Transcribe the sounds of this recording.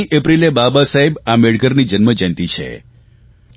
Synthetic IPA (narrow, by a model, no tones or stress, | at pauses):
iʔepɾilebabasaɦebameɭɡəɾnid͡ʒənməd͡ʒənt̪it͡ʃʰḛ